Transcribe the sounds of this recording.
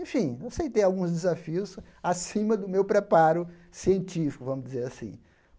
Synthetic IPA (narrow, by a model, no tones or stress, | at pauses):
ẽfĩeset̪ẽj̃awɡũzd͡ʒ̪ezafiʊs | asĩmɐd̪ʊmewpɾepaɾʊ | siẽnt͡ʃifi̥kʊvɐ̃mʊzd͡ʒɪzeɾasḭ̃